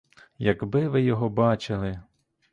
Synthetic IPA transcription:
jɐɡbɪʋɪjɔɦɔbɑt͡ʃɪlˠɪ

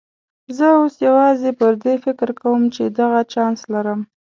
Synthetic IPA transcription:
zəosjawɑzepəɾd̪efɪkɾkawəmt͡ʃed̪aɣat͡ʃɑnslaɾəm

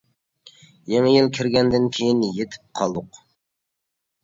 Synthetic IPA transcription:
jeŋɪjɪlˠkʲʰɪɾɡʲænd̪ɪnkʲʰejɪnjet̪ʰɪ̥p̚qʰɒlˠd̪ʊq

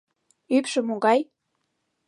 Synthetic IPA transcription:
ypʃə̆moɣɑj

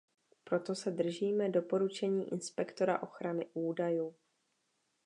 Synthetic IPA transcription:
pɾo̞t̪o̞sɛd̪r̩ʒiːmɛdo̞po̞ɾut͡ʃɛɲiːʔɪnspɛkt̪o̞ɾa̰ʔo̞xɾanɪʔuːdajuː

